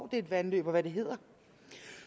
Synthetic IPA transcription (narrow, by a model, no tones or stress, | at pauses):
ʊd̥e̝ed̥ʋænlø̰ːb̥ɒʋæde̝ɦe̝ð̰ˠɐ